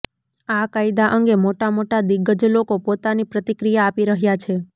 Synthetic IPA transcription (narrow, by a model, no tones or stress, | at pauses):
akajd̪aʔəŋɡemoʈamoʈad̪iɡəd͡ʒlokopot̪anipɾət̪ikɾijaːpiɾəɦjat͡ʃʰe